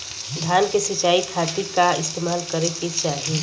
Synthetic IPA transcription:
d̪ʱaːnkesit͡ʃaːikʰat̪iɾkaɪst̪eːmaːlkəɾeket͡ʃaːɦi

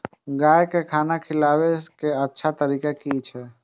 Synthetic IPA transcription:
ɡaːjkekʰaːnakʰɪlaːwekeətːʃʰat̪əɾiːkekit͡ʃʰɛː

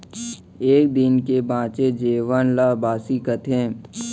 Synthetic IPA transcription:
eːk̚d̪ɪnkebãːt͡ʃed͡ʒeːʋənlaːbaːsikət̪ʰẽː

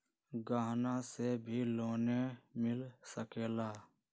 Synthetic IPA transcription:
ɡaːɦnasebʱiloːnemɪlsəkeːlaː

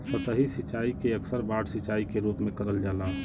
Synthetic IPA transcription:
sət̪əɦisɪt͡ʃaːikeəksəɾbaːʈʰsɪt͡ʃaːikeɾuːpmẽkəɾəld͡ʒaːla

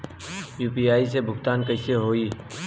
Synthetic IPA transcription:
juːpiːaːis̬ebʱʊkt̪aːnkɐɪseɦoːiː

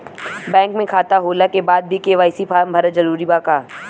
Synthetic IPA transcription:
bɛ̃ːŋkmẽkʰaːt̪aɦoːlakebaːd̪̚bʱikeːʋaːjsipʰaːɾmbʱɐɾəzɐɾuːɾibaːkaː

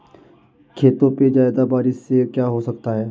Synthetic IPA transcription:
kʰeːt̪õped͡ʒaːɪd̪abaːɾɪsːekjaːɦosɐk̚t̪aɦɛː

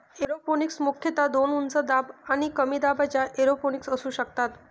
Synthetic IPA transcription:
eɾoponiksmukʰjət̪ad̪onunt͡səd̪abañikəmid̪abʱat͡ɕjaʔeɾoponiksəsuːɕəkt̪at̪

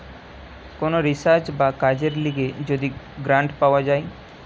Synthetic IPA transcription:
konoɾɪsat͡ʃbakad͡ʒeɾliɡed͡ʒod̪i | ɡɾãɳʈpawad͡ʒaːj

